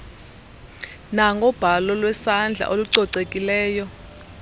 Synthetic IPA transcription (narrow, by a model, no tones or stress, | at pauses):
naŋɡʱɔb̥ʱalɔlwɛsand͡ɮʱa̰ʔoluǀɔǀekʼilɛːjɔ